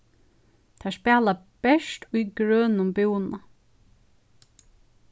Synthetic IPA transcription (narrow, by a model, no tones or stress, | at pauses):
t̪ʰɛːspæːlab̥ɛʃtujɡɾœːnʊmbɪwnna